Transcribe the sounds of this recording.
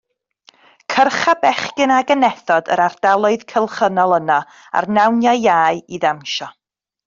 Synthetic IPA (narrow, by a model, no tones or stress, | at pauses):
kʰərχabɛχkɪnaɡənɛθɔdə̰ɾard̥alˠʊɨðkʰəlˠχənɔlˠəna | a̰rnawnjaːaːɨiðamʃɔ